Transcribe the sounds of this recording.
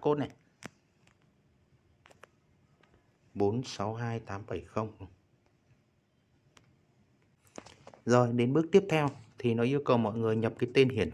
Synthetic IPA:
ko˦˥t̚na̰˧˨ | ɓo˨˦nsa˨˦wɦaː˧jt̪aː˨˦mɓə˧˩jxə˧wŋ͡m | zo˨˩jɗe˨˦nɓɨ˦˥ək̚t̪i˦˥əp̚t̪ʰɛ˧wt̪ʰi˨˩nɔ˨˦ʔi˧əwkə˨˩wmɔ̰˧˨jŋɨ˨˩əjɲə˨˩p̚kaː˨˦jt̪e˧nɦi˧˩ən

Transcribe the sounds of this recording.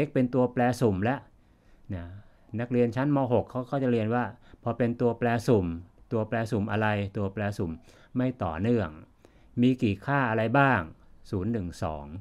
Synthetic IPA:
ʔe˦˥k̚pe˧nt̪u˧ɐplɛː˧su˨˩mlɛ˦˥ʔ | na˦˥˩ | na˦˥k̚ɾi˧ənt͡ɕʰa˦˥nmɔː˧ɦo˨˩kʰːa˦˥wkʰaː˥˩t͡ɕa˨˩ɾi˧ənwaː˥˩pʰɔː˧pe˧nt̪u˧ɐplɛː˧su˨˩mt̪u˧ɐplɛː˧su˨˩mʔa˧ɾa˧jt̪u˧ɐplɛː˧su˨˩m | ma˥˩jt̪ɔ̰ː˨˩nɯ˥˩əŋ | miː˧kiː˨˩kʰaː˥˩ʔa˧ɾa˧jbaː˥˩ŋsuː˩˦nːɯ˨˩ŋsɔ̰ː˩˦ŋ

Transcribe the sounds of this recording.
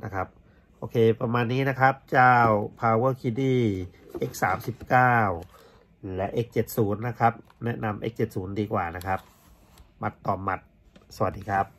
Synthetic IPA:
na̰˦˥kʰa˦˥p̚ | ʔoː˧kʰeː˧pɾa˧maː˧nːiː˦˥na˦˥kʰa˦˥p̚t͡ɕaː˥˩wpʰaː˧wɤː˥˩kʰi˧diː˥˩ʔe˦˥k̚saː˩˦msi˨˩p̚kaː˥˩w | lɛ˦˥ʔe˦˥k̚t͡ɕe˨˩t̪̚suː˩˦nːa˦˥kʰa˦˥p̚ | nɛ˦˥ʔna˧mʔḛː˦˥k̚t͡ɕe˨˩t̪̚suː˩˦ndiː˧kwaː˨˩na˦˥kʰa˦˥p̚ | ma˨˦˩t̪ːɔː˨˩ma˨˩t̪̚sa˧wa˨˩t̚diː˧kʰɾa˦˥p̚

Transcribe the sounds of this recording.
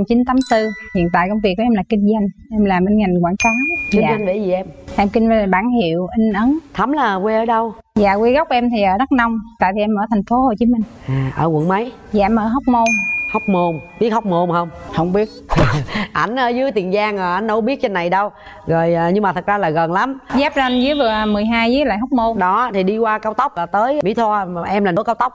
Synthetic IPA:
t͡ɕi˨˦nt̪aː˨˦mt̪ɨ˧hḭ˧˨ənt̪a̰ː˧˨jkə˧wŋ͡mvi˨˩ək̚ːɔ˧˦ʔɛ˧mlaː˨˩ki˧ŋ̟za˧jŋ̟ʔɛ˧mlaː˨˩mʔə˧nŋa˨˩ŋ̟kwa̰ː˧˩nkɔ˨˦kizaː˨˦a˨˧ŋvḛ˧˩˦zi˨˩ʔɛ˧mʔɛ˧mkï˧n̟vɓaː˧˩nɦḭ˧˨əwʔi˧ŋ̟ʔə˨˦nt̪ʰa˨˦mlaː˨˩kwe˧ʔəː˨˦ɗə˧w | za̰ː˨kwi˧ɣa˦˥k͡p̚ʔɛ˧mt̪ʰi˨˩ʔəː˨˦zə˦˥t̚na˧wŋ͡mt̪a̰ː˧˨jvi˨˩ʔɛ˧mʔəː˧˩t̪ʰɛ˨˩ŋ̟fo˨˦ho˧˨˩t͡ɕi˨˦mï˨˩ŋ̟ʔaː˨˩ʔə̰ː˧˩ɣwə̰˧˩˨ŋmə˨˦j | zaː˧˨ʔɛ˧mʔəː˧˩ɦə˦˥wk͡p̚mo˧nhɔ˦˥wk͡p̚mo˧nɓi˦˥ət̚ha˦˥wk͡p̚mo˧ŋ͡mhə˧wŋ͡mhə˧wŋ͡mɓi˦˥ət̚ː | ʔa˧˩jŋ̟ʔəː˧˦zɨ˨˦əjt̪i˨˩ənzaː˧ŋəː˨˩ʔa˧˩jŋ̟nə˧˦wɓi˦˥ət̚t͡ɕe˧nːa˨˩jɗə˧w | ɣo˨˩jːɲɨ˧ŋmaː˨t̪ʰə˨˩zaː˧laː˨˩ɣə˨˩nla˨˦mzɛ˦˥p̚za˧nzɨ˨˦jvɨ˨˩əmɨ˨˩əjɦaː˧jzɨː˨˦jla̰ː˧˨jɦɔ˦˥wk͡p̚mo˧ŋ͡mɗɔ˨˦t̪ʰi˨˩ɗi˧kwaː˧kaː˧wt̪ə˦˥wk͡p̚ʔəː˧˩t̪əː˨˦jmḭ˧˥˦t̪ʰɔ˧˨ʔɛ˧mlaː˨˩nə˧˦kaː˧wt̪ə˦˥wk͡p̚

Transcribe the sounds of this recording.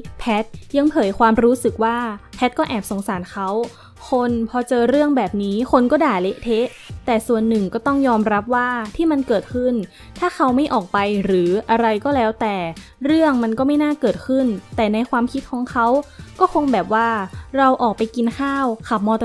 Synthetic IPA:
pʰɛ˦˥t̪̚ja˧ŋpʰɤː˨˩˦jkʰwaː˧mɾuː˦˥sɯ˨˩k̚waː˥˩pʰɛ˦˥t̪̚kɔː˥˩ʔɛː˨˩p̚so˩˦ŋsaː˩˦nkʰa˦˥w | kʰo˧npʰɔː˧t͡ɕɤː˧ɾɯ˥˩əŋbɛː˨˩p̚niː˦˥kʰo˧nkɔː˥˩daː˨˩le˦˥ʔt̪ʰe˦˥ʔ | t̪ɛː˨˩su˨˩ənːɯ˨˩ŋkɔː˥˩t̪ɔ˥˩ŋjɔː˧mɾa˦˥p̚waː˥˩t̪ʰiː˥˩ma˧nkɤː˨˩t̪̚kʰɯ˥˩n | t̪ʰaː˥˩kʰa˦˥wma˥˩jʔɔː˨˩k̚pa˧jɾɯː˩˦ʔa˧ɾa˧jkɔː˥˩lɛː˦˥wt̪ɛː˨˩ | ɾɯ˥˩əŋma˧nkɔː˥˩ma˥˩jnaː˥˩kɤː˨˩t̪̚kʰɯ˥˩nt̪ɛː˨˩na˧jkʰwaː˧mkʰi˦˥t̪̚kʰɔː˩˦ŋkʰa˦˥wkɔː˥˩kʰo˧ŋbɛː˨˩p̚waː˥˩ɾa˧wʔɔː˨˩k̚pa˧jki˧nkʰaː˥˩wkʰa˨˩p̚mɔː˧t̪

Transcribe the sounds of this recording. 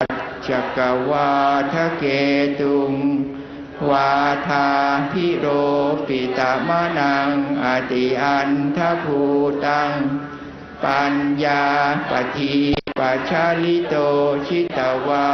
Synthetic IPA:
t̪̚ | t͡ʃa˨˩kːa˨waː˧t̪ʰa˦ke˧t̪u˧ŋ | waː˧t̪ʰa˧pʰi˦˥ɾoː˧fi˨t̪a˨˧˦ma˦˥na˧ŋʔa˨t̪i˨ʔa˧nt̪ʰa˦˥pʰu˧t̪a˧ŋ | pa˧njaː˧pa˨˧t̪ʰi˧pa˧˨t͡ʃʰa˦˥li˦t̪o˧t͡ʃʰi˦˥t̪a˨˩wa˧

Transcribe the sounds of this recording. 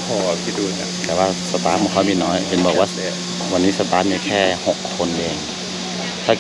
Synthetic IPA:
pʰɔː˧˩˧kʰi˧˩duː˧˩ta̰˧˩t̪ɛː˨˩waː˧˩sa˧t̪aː˧˥muː˧˦˨kʰa˦˥wmiː˧˨nɔː˦˥jpe˨nbɯ˧˩kwa˦˥˦ | wa˧nːiː˦˥sa˧t̪aː˨˦˥miː˧kʰɛː˥˩ho˨˩kʰːo˧nleː˧˩ŋ | t̪ʰaː˧˩

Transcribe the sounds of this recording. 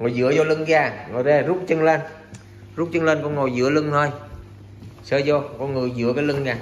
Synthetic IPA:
ŋo˨˩jzɨ̰˧˦əzɔ˧lɨ˧ŋzaː˧˩ŋo˨˩jzaː˧˩zu˦˥k͡p̚t͡ɕə˧ŋlə˧n | zu˦˥k͡p̚t͡ɕə˧ŋlə˧nkɔ˧˦ŋo˨˩jzɨ̰˧˨˦əlɨ˧ŋt̪ʰo˧j | səː˧zɔ˧kɔ˧nŋɨ˨˩əjzɨ̰˨˧˦əkaː˨˦lɨ˧ŋzaː˨˩

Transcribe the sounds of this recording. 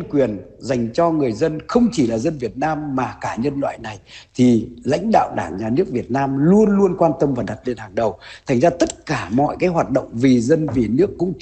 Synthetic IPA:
ənkwi˨˩ənza˨˩jŋ̟t͡ɕɔ˧ŋɨ˨˩əjzə˧nxə˧wŋ͡mt͡ɕi˧˩laː˨˩zə˧nvi˨˩ət̚naː˧mːaː˨˩kaː˧˩ɲə˧nlwa̰ː˧˨jna˨˩jt̪ʰi˨˩la̰˧˥jŋ̟ɗa̰ː˧˨wɗaː˧˩ŋɲaː˨˩nɨ˦˥ək̚vi˨˩ət̚naː˧mlu˧ənlu˧ənkwaː˧nt̪ə˧mvaː˨˩ɗa˨˩t̚le˧nhaː˨˩ŋɗə˨˩wt̪ʰa˨˩jŋ̟zaː˧t̪ə˦˥t̚kaː˧˩mɔ̰˧˨jkaː˨˦jɦwaː˨˩t̚ɗo̰˧˨wŋ͡mvi˨˩zə˧nvi˨˩nɨ˦˥əkːʊ̰˧˥ŋ͡m

